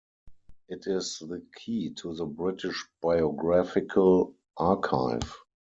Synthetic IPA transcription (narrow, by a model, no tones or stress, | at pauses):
ʔɪtɪsðəkʰiːtʰuðəbɹɪtʰɪʃb̥aɪɔɡɹafɪkʰəl | ʔakʰaɪv